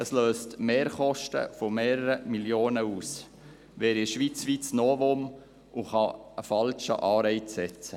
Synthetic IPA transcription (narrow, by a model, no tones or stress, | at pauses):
əsløːstmeːɾχɔʃtə̰fomeːɾəɾəmiljoːnəuːs | ʋɛːɾiʃʋit͡sʋit͡snoːvom | ʔuχɑəfɑlʃə̰ʔɑːɾɛɪtsɛt͡sə